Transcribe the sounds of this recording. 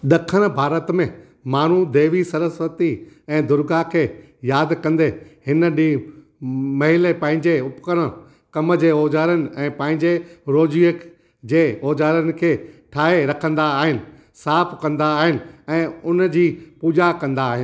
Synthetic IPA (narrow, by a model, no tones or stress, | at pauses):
ɗ̪ɐkʰəɽ̃bʱaːɾət̪mẽ | maːn̤ud̪eːʋisɐɾəsʋət̪i | ɛ̃ːd̪ʊɾɡakʰeː | jaːd̪kɐ̃nd̪ehɪnə̆ɗiː | mɐɦɪlepɐ̃ɦɪ̃ɲd͡ʑeʊpkəɽ̃ | kɐmd͡ʑeːoːd͡ʑaːɾənɪ̆ɛ̃ːpɐ̃ɦɪ̃ɲd͡ʑeɾoːd͡ʑiək | d͡ʑeːoːd͡ʑaːɾənɪ̆kʰeːʈʰaːɦeɾɐkʰə̃nd̪aːɦɪnɪ̆ | saːpʰkɐ̃nd̪aːɦɪnɪ̆ɛ̃ːʊnd͡ʑiːpuːd͡ʑakɐ̃nd̪aːɦɪnɪ̆